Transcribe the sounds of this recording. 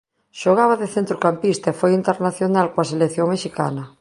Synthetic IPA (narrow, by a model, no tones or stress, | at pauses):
ʃoɣ̞aβaðeθent̪ɾukampist̪aefojint̪eɾnaθjonalkoaselekθjoŋmeʃika̰na